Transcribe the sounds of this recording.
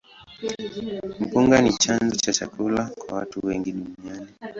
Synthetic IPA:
m̩puŋɡanit͡ʃanzɔt͡ʃat͡ʃa̰kulakwa̰watuwɛŋɡiɗuniani

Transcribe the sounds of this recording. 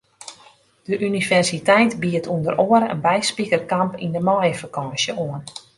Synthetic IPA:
d̥əʔynivɛrsitɛjtbiətʰundəroəɾə̰nbɛjspikərkampindəmɔːjəfakɑːsjəoən

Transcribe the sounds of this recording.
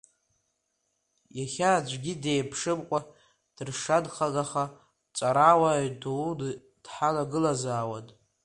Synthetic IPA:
jaχʲaːd͡ʒʷɡʲidejpʰʂɨmkʷʼa | d̥ɨrʂadχaɡaχa | t͡sʼaɾawadod | d̥ħalaɡɨlazaːwatʼ

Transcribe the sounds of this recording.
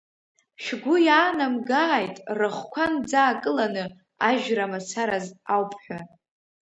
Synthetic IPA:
ʃɡʷʊjaːnamɡaːjtʼrɨχʷkʷʰand͡zaːkʼɨlanɨ | aʒᶣramat͡sʰaɾazawpʰʼħʷᶣa

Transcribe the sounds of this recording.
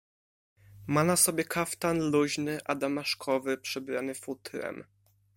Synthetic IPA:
manasɔbʲjɛkʰaft̪anluʑnɘʔad̪amaʂkʰɔvɘpʂɛbɾanɘfut̪ɾɛ̰m

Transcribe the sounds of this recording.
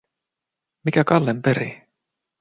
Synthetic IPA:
mikækɑlːempe̞ɾḭ

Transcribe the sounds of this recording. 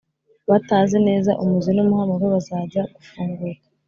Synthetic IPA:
βataːnzene̞ːzaʔumuzinumuhamaɡeβazaɟaɡufuːŋɡuɾḁ

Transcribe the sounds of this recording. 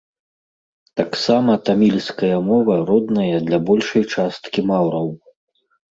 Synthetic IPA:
t̪aksamɐt̪amʲilʲskɐjɐmɔvɐɾɔd̪nɐjɐd̪lʲɐbɔlʲʂɐjt͡ʂast̪kʲimawɾɐw

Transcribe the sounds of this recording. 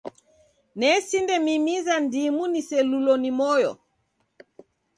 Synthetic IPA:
nɛsindɛmimizandimunisɛlulɔnimɔjɔ̰

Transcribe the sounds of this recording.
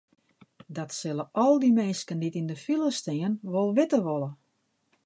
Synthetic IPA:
dɔtsɪlˠəʔɔlˠdimeːskənditindəfilˠəstɪənʋolˠʋɪtəʋolˠə

